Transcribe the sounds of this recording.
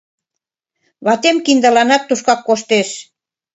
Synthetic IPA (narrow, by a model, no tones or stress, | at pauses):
βɑt̪emkind̪əlɑnɑt̪ːuʃkɑkːoʃt̪eʃ